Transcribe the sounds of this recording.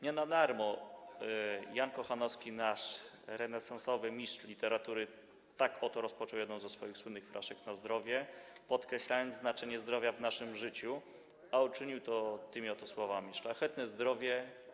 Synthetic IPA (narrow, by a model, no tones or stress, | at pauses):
ɲɛnad̪aɾmɔ | jankɔxanɔskʲinaʂ | ɾɛnɛsansɔvɘmʲiʂlʲit̪ɛɾat̪uɾɘ | t̪akɔt̪ɔɾɔspɔt͡ʂɔwjɛd̪ɔ̃w̃zɛsfɔjixswɘnːɘxfɾʔa̰ʂɛknazd̪ɾɔvʲjɛpɔt̪kɾɛɕlajɔnd̪zznat͡ʂɛɲɛzd̪ɾɔvʲjavnaʂɘmʐɘt͡ɕu | aut͡ʂɘɲiwt̪ɔt̪ɘmʲiɔt̪ɔswɔvamʲiʂlaxɛt̪nɛzd̪ɾɔvʲjɛ